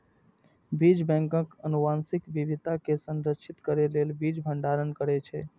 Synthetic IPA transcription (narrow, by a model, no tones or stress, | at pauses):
bid͡ʒbɛ̃ŋkəkənuʋansikʋiʋid̪ʱakesə̃nɾəkʃʰit̪kəɾelelbid͡ʒbʱəɳɖaɾənkəɾɛt͡ʃʰɛ